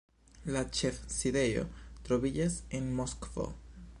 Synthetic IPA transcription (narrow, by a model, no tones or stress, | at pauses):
lat͡ʃefsiðejo̰t̪ɾoβiʎesenmoskfo̰